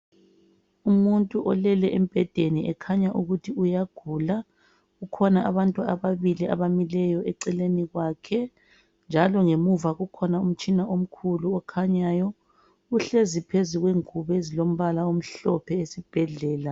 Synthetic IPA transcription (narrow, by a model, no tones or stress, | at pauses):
umuntʼuʔɔlɛlɛʔem̩b̥ʱɛd̥ʱeniʔɛkʰaɲaʔuɣutʰiujaɡ̥ʱula | ukʰɔnaʔaβantʼuaβaβilia̰βamilɛjɔɛǀɛleniɣwakʰɛ | nd͡ʒʱalɔŋemuvaɣukʰɔnaum̩t͡ʃʼinaʔom̩kʰuluɔkʰaɲaːjɔ | uɬezipʰezuɣweŋuβɛzilom̩βalaom̩ɬɔpʰɛesib̥ʱɛɮɛːla